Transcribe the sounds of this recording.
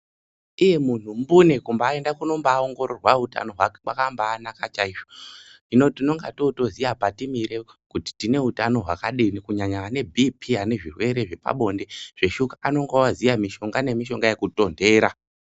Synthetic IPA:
ije̞mun̤umbune̞kumbaːe̞ndakuno̞mbaːoŋɡo̞ɾo̞rwauta̰no̞ɦwakwakambaːnakat͡ʃaiʃo̞ | ino̞tino̞ŋɡato̞to̞ziapatimiɾe̞kuti̥tine̞utano̞ɦwa̰kaɗinikuɲaɲaːne̞bʱipʰiɦane̞ʐirwe̞ɾe̞ʐe̞pa̰ɓo̞nde̞ʐ̥e̞ʃukaano̞ŋɡowazijamiʃo̞ŋɡane̞miʃo̞ŋɡajekuto̞nde̞ːɾa

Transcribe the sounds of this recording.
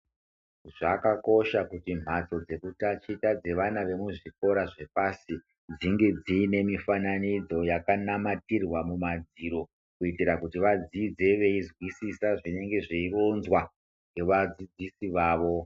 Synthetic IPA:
ʐakako̞ʃakutim̤at͡so̞d͡ze̞kutat͡ʃitad͡ze̞ʋanaʋe̞muʐiko̞ɾaʐe̞pasi | d͡ziŋɡe̞d͡ziːne̞mifananid͡zo̞jakanamatirwamumad͡ziɾo̞ | kuitiɾakutiʋad͡zid͡ze̞ʋe̞izwisisaʐine̞ŋɡe̞ʐiiro̞nzwa | ŋɡe̞ʋad͡zid͡zisiʋaːʋo̞

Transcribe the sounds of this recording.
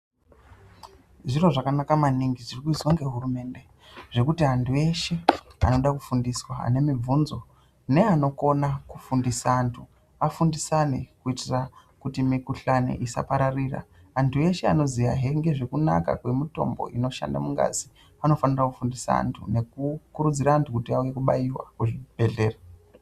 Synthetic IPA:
ʐiro̞ʐakanakamaniŋɡiʐirikuiswaŋɡe̞ɦurume̞nde̞ | ʐ̥e̞kutiantʰue̞ʃe̞a̰no̞ɗakufundiswaa̰ne̞mib͡vunzo̞ | ne̞ano̞ko̞nakufundisaːntʰu | afundisane̞kuitirakutimikuɬanḛʔisa̰paɾariːra̰ː | ntʰue̞ʃe̞ano̞zijaɦe̞ŋɡe̞ʐe̞kuna̰ka̰kwe̞mito̞̰mbo̞̰ʔino̞ʃa̰nda̰muŋɡa̰zi | ano̞fanirakufundisa̰a̰ntʰṵne̞kukuɾud͡ziɾaːntʰukutiauje̞kuɓaiwa̰kuʐib̥ʱe̞ɮe̞ːra

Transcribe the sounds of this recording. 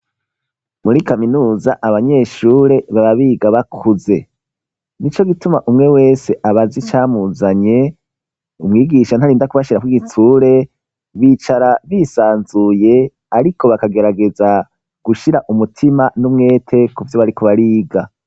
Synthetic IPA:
muɾikaminuːzaʔaβaɲe̞ʃuːɾe̞βaβaβiːɡaβakʰuze̞ | nit͡ʃo̞ɡitumaʔumŋe̞we̞ːse̞ʔaβazit͡ʃaːmuzaɲe̞ | umŋiːɡiʃanhaɾiːndakuβaʃiɾakwiɡitʰuːɾe̞ | βiːt͡ʃaɾaβisaːnzuje̞ | aɾikʰo̞βakaɡe̞ɾaɡe̞za | ɡ̥uʃiɾaʔumutʰimanumŋe̞ːtʰe̞kuvjo̞βaɾikoβaɾiːɡa

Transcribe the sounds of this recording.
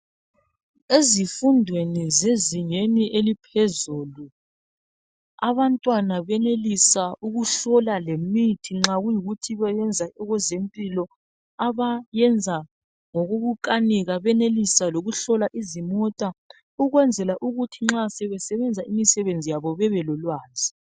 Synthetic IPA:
ezifundʱwenizeziɲeniʔelipʰɛzuːlu | aβantʼwanaβɛnelisaʔuɣuɬɔlalemitʰiŋ͡ǁaɣujiɣutʰiβajɛnd͡zʱaɔɣɛzempʼilɔ | aβajɛnd͡zʱa | ŋɔɣoɣuǃʼaniɣaβɛnelisaloɣuɬɔlaʔizimɔtʼa | uɣwɛnd͡zʱɛlaʔuɣutʰiŋ͡ǁasɛβɛsɛβɛnd͡zʱaimisɛβend͡zʱijaβɔβɛβɛlɔlwaːzʱi̥

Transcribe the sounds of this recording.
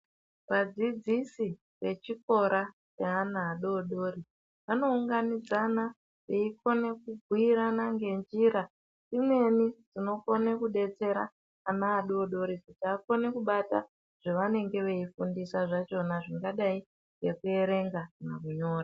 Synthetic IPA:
ʋad͡zid͡zisi | ʋe̞t͡ʃiko̞ɾʔa | peanaːɗoːɗo̞ɾi | ʋano̞uŋɡanid͡zana | ʋeiko̞ne̞kuɡʱiɾanaŋɡe̞nd͡ʒiɾa | imwe̞nid͡zino̞konekuɗe̞t͡se̞ɾa̰ː | naːɗoːɗo̞ɾikutiaːko̞nekuɓata̰ | ʐ̥eʋane̞ŋɡe̞ʋe̞ifundisaʐat͡ʃo̞naʐiŋɡaɗai | ɡe̞kue̞ɾe̞ŋɡamaruɲo̞ːra

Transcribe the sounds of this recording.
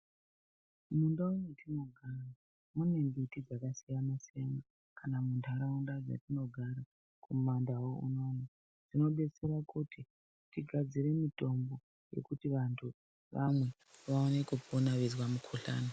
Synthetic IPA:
mundaunetino̞ɡʱara | mune̞mbitid͡zakasijanasijana | kanamuntʰaɾaundad͡za̰tino̞ɡʱaɾa | kumandawoṵno̞ni | ʐ̥ino̞ɓe̞t͡se̞ɾakuti | tiɡʱad͡zire̞mito̞mbo̞ | je̞̰kutiʋantʰu | ʋamwe̞ | ʋaonekuponaʋezwamukʰuɬa̰ːna

